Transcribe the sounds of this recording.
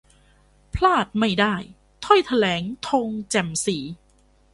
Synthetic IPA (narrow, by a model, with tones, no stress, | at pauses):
pʰlaː˥˩t̪̚ma˥˩jdaː˥˩j | t̪ʰɔ˥˩jt̪ʰa˧lɛː˩˦ŋt̪ʰo˧ŋt͡ɕɛ˨˩msiː˩˦